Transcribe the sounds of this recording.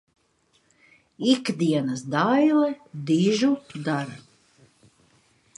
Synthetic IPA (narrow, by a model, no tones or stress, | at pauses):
ikd̪iɛnasd̪ajlɛd̪iʒud̪aɾa